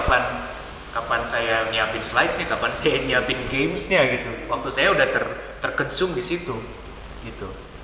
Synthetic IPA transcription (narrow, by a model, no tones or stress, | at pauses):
apan | kapansajaniampɪnslaɪsɲakapansajaniampɪnɡemsɲaɡit̪uwak̚t̪usajaudaht̪ər | t̪ərkənsʊŋdisit̪u | ɡit̪u